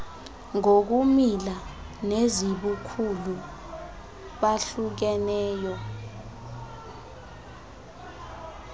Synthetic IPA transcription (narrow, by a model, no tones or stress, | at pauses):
ŋok̬umila | neziɓukʰulu | ɓaɬuk̬ɛnɛːjɔ